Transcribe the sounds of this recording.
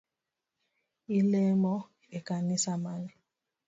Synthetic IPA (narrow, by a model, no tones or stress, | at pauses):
ilemɔ | ekanisamaɲi